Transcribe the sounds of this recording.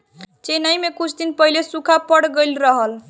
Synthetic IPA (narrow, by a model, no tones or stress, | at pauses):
t͡ʃenajmekut͡ʃʰd̪inpəɦilesukʰapəɽɡəjlɾəɦəl